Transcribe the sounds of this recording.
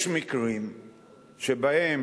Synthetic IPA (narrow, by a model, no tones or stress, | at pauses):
ʃmikʁim | ʃebahem